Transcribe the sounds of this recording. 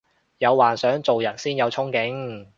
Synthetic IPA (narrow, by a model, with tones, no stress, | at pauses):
jɐ˨˧wwaː˨nsœː˨˥ŋt͡so˨wjɐ˨˩nsiː˥njɐ˨˧wt͡sʰʊ˥ŋkɪ˨˥ŋ